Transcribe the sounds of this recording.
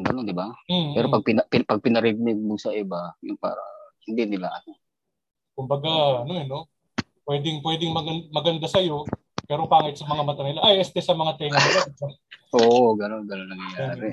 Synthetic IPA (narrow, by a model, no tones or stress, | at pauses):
ɡɐno̞nd̪ɪbam̩ɛːɾopɐɡ̚pɪnɐpɪpɐɡ̚pɪnɐɾɪɡ̚mɪɡ̚mʊɡsɐʔɪbajʊŋpa̰ːɾɐ̰hɪnd̪inɪlaʔɐno | kʊmbɐɡaɐnoɐno̞ | pwɛːd̪ɪŋpwɛːd̪ɪŋmɐɡɐnmɐɡɐnd̪asɐjo̞ | pɛːɾopaːŋɐjt̪̚sɐmɐŋamɐt̪ɐnɪlaʔajʔɛst̪ɛsɐmɐŋat̪ɛŋa | ʔoːʔoɡɐno̞nɡɐnonɐŋjɐjaːɾɛ